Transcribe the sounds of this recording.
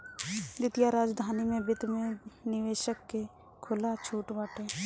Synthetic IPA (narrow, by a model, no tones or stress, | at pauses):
d̪ɪt̪ijaɾaːd͡ʒd̪ʱaːnimẽbɪt̪mẽnɪʋeːʃəkːe | kʰʊlat͡ʃʰuːʈbaːʈʰẽː